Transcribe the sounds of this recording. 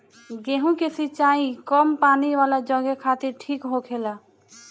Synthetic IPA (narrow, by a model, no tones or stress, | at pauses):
ɡeːɦũkesɪt͡ʃaːĩkɔmpaːniʋaːlad͡ʒɔɡekʰaːt̪ɪɾʈʰiːkɦokʰeːlaː